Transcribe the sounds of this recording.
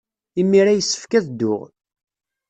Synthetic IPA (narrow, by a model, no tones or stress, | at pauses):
imːiɾæjəsːə̥fkæðd̪ːʊ̰ʁ